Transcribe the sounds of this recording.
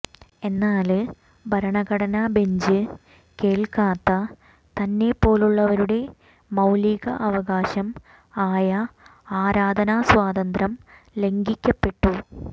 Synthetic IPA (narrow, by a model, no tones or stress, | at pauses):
e̞nːaːl | bʱɐɾɐɳɐɣɐɽɐnabe̞ɲd͡ʑɨ | ke̞ːɭkaːt̪ːɐ | t̪ɐnːe̞pːo̞ːluɭːɐʋɐɾuɽe̞ | mɐwliːɣɐ̰ʔɐʋɐɣaːɕɐm | aːjɐaːɾaːd̪ʱɐnaswaːd̪ɐnd̪rɐm | le̞ŋɡikʲːɐpːe̞ʈːu